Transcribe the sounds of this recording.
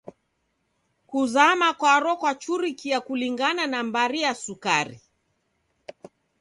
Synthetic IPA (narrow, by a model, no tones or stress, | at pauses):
kuzamakwaɾɔkwat͡ʃuɾikiakuliŋɡananambaɾiasukaɾḭ